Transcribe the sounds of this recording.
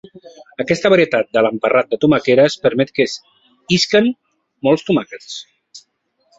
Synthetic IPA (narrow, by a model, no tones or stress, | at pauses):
əkɛst̪əβaɾiət̪at̪̚d̪ələmpərat̪̚d̪ət̪umakeɾəspəɾmɛt̪̚kəs | iskən | mɔlˠst̪umakəs